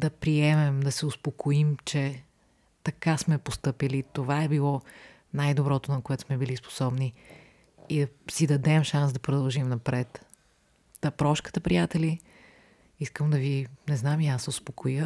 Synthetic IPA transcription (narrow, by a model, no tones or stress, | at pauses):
d̪ɐpɾiɛmɛmd̪ɐsɛʊspokʰoimt͡ʃɛ | t̪ɐkasmɛpost̪ɤpilit̪ovaɛbilˠɔ | najd̪obɾɔt̪onɐkoɛt̪ʊ̥smɛbilispo̥sɔbni | id̪ɐsid̪ɐd̪ɛmʃans̬d̪ɐpɾod̪ɐlˠʒimnɐpɾɛt̪ | d̪ɐpɾɔʃkə̥t̪əpɾijat̪ɛli | iskəmd̪ɐvinɛznamiasɛʊspokʰojə